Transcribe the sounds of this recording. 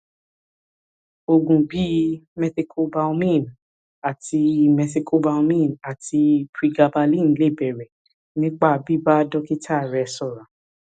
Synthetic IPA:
o˧ɡũ˨bi˨˦mɛ˧si˧kʰo˧bã˧˦mĩ˦˨n | a˨ti˧mɛ˧s̬i˧kʰo˧ba˧ũ˧mĩ˦˨na˨tʰi˧pɾi˧ɡa˧ba˧lĩ˦˨nĩ˨˦le˦˨bɛ˨ɾɛ˨ | nĩ˦k͡pa˦˨bi˦ba˦dɔ˦ki˦tʰa˦˨ɾɛ˧sɔ˨ɾã˨

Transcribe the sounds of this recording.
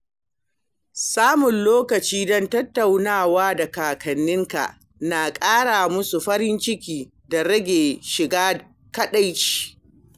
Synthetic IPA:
saː˦mʊ˨nloː˦kɐ˨t͡ʃiː˦dɔ˦ntɐ˦tːa˨wnaː˦˨waː˦da˨kaː˨kʰɐ˨nːɪ˦ŋka̰˨ʔ | na˨kʼaː˦ɽaː˨mʊ˦su˨ɸɐ˦ɾɪ˦nt͡ʃɪ˦kʲiː˦ | da˨ɾɐ˦ɡʲeː˨ʃɪ˨ɡaː˦ | kɐ˦ɗa˦jt͡ʃi̥ː˦˨

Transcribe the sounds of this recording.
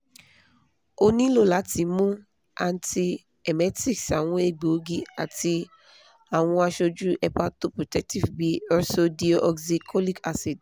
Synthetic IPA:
o˧nĩ˦lo˦˨la˨˦ti˨˦mũ˦ | a̰˧n˦ti˧ | ɛ˨mɛ˨˦ti˦ksa˨w̃ɔ̃˨˦e˨ɡ͡bo˨˦ɡi˦a˨ti˧ | a˨w̃ɔ̃˧a˧ʃo˧d͡ʒu˦ɛ˧pa˦to˦pɾo˨tɛ˦k̚ti˦vbi˦ɔ˦so˧di˧˦o˦ʔɔ˧ksi˧kʰɔ˦li˦ka˦si˨d

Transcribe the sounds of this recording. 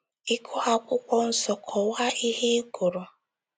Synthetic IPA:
i˦kʰʊ˦ɦa˦kʷʊ˦kʷɔ˦n̩˨sɔ˨kʰɔ˨wa˦i˦ɦe˦ɡʊ˨ɾo˨

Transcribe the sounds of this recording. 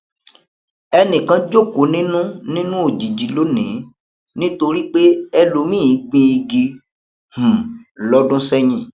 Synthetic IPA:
ɛ˧nĩ˨kã˨˦d͡ʒo˦˨ko˨˦nĩ˦nũ˦nĩ˦nũ˦o˨d͡ʒi˨d͡ʒi˨˦lo˨˦nḭ̃˨˦ | nĩ˦to˧ɾi˦k͡pe˦ɛ˧lo˨˦mĩ˦˨˦ɡ͡bĩ˧i˧ɡi˧ | h̩˨lɔ˦dũ˦sɛ˦ɲĩ˦˨

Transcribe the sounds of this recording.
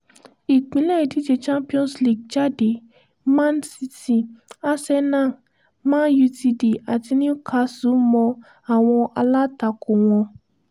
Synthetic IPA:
i˨k͡pĩ˨˦lɛ˦i˨di˦d͡ʒe˧t͡ʃã˦mpi˦ɔ̃˦sli˦˨ɡ̚d͡ʒa˦de˨ | mã˦n̩˦si˧ti˦˨a˦sɛ˦nã˦˨ | mã˦ju˧ti˧de˨a˨ti˧nĩ˦kʰa˧su˨˦mɔ̃˧ | a˨w̃ɔ̃˧ʔa˧la˦ta˧˨ko˨w̃ɔ̃˧

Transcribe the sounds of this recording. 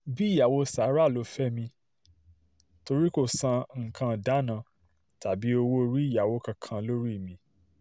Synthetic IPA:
bi˦˨ja˨wo˧sa˨˦ɾa˦˨lo˨˧˦fɛ˦mĩ˧ | to˧ɾi˦ko˦˨sã˧ŋ̩˨kã˧˨da˨˦nã˧ | ta˨bi˨˦o˧wo˦˧ɾi˦˨ja˨wo˨˧˦kã˧kʰã˧lo˦ɾi˦˨mĩ˧

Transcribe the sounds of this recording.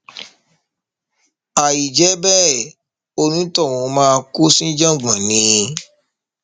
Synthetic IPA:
a˨i˨d͡ʒɛ˨˦bɛ˦˨ | o˧nũ˦tɔ˦˨w̃ɔ̃˨˧˦mãː˦˧ko˦sĩ˦d͡ʒã˦˨ɡ͡bã˨nĩ˨˦˧

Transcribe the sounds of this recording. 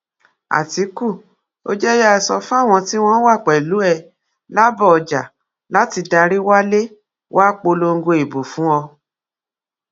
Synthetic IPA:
a̰˨ti˨˦ku˦˨ | o̰˦d͡ʒɛ˦ja˦˧sɔ˧fa˦˨w̃ɔ̃˧ti˦w̃ɔ̃˦wa˦˨k͡pɛ˨lu˨˦ɛ˧˨ | la˦bɔ˦˨ɔ˨d͡ʒa˨ | la˨˦ti˧da˧ɾi˦wa˦le˦ | wa˦k͡po˧lo˧ŋ̩˦ɡo˧e˨bo˨fũ˨˦ɔ˧

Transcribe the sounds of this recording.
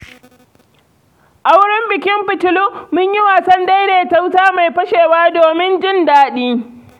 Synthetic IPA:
ʔa˦wɽɪ˦mbɪ˨kʲɪ˦mɸɪ˨tʊ˨lu˦mʊ˦ɲjɪ˦waː˨sɐ˦nda˦jdeː˨ta˦wtaː˦ma˨jɸɐ˦ʃeː˨waː˦doː˨mɪ˦nd͡ʒɪ˦ndaː˦ɗiː˦

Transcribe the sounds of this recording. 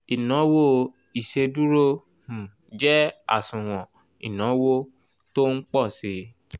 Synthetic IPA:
i˨nɔ̃˨˦wo˦ | i˨ʃe˧du˦ɾo˦ | h̩˨ | d͡ʒɛ˦a̰˦˨sũ˨w̃ɔ̃˨ | ḭ˨nɔ̃˨˦wo˦ | to˦n̩˦k͡pɔ˦˨si˨˦

